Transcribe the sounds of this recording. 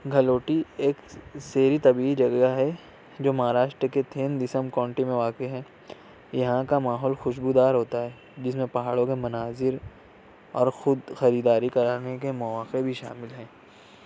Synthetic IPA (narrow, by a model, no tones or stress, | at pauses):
ɡʱɐloːʈieːkseːɾit̪ɐbiːid͡ʒɐɡaɦɛ | d͡ʒoːmɐɦaːɾaːʃʈɾəket̪ʰeːnd̪ɪsəmkɔ̃ːɳʈimẽʋaːkeɦɛ̃ː | jɐɦãkamaːɦɔːlxʊʃbud̪aːɾɦoːt̪aɦɛː | d͡ʒɪsmẽpɐɦaːɽõkemɐnaːzɪɾ | ɔːɾxʊd̪xɐɾiːd̪aːɾikɐɾaːnekemɐʋaːqebʱiʃa̰ːmɪlɦɛ̃ː